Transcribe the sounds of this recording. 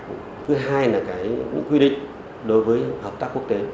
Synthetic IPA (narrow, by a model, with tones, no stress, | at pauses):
t̪ɨ˨˦ɦaː˧jlaː˨˩kaː˧˩jɲɨ̰˧˥ŋkwi˧ɗḭ̈˨ŋ̟ | ɗo˨˦jvəː˨˦jhə˨˩p̚t̪aː˦˥ku˦˥kt̪e˨˦